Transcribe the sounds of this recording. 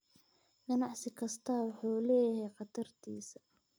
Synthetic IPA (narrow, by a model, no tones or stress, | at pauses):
ɡ̥ɐnɑʕsɪkʰɐst̪ʰɐːwʊħuːlɛːjɐɦɛjqɑd̪ɐrt̪ʰḭːsɐ̥